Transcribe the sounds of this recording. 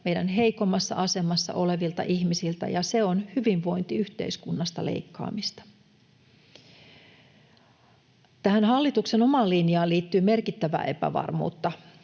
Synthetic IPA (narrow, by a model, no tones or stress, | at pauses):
me̞ijdænɦe̞ikomːɑsːɑ̰ʔɑse̞mɑsːɑ̰ʔo̞le̞ʋilt̪ɑ̰ʔihmisilt̪æ̰jɑse̞o̞nhyʋiʋʋo̞jnt̪iyht̪e̞̰iskunːɑst̪ɑlḛikːɑ̰ːmist̪ɑ̥ | t̪æhænhɑlːit̪ukseno̞mɑːlːinjɑːliːt̪ːyːme̞rkit̪ːæʋæ̰ːʔe̞pæ̰ʋɑ̰rmṵːt̪ːɑ